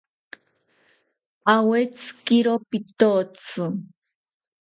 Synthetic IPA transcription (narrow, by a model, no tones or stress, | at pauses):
awet͡skiɾopit̪ot͡sɨ